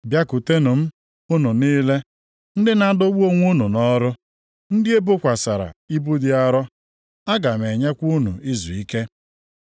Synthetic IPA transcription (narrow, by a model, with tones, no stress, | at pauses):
bja˦ku˨te˦nʊ˨m̩˦ | ʊ˦nu˨niː˦le˦ | n̩˦dɪ˦na˦dʊ˦wu˦o˦ŋʷ˦u˦nu˨nɔ˦ɾʊ˦ | n̩˦dɪ˦e˦bʊ˦kʷa˨sa˨ɾa̰˨i˦bu˦dɪ˨a˦ɾɔ˦ | a˦ɡa˨me˨ɲe˦kʷu˦nṵ˨i˦zu˨i˦ke˦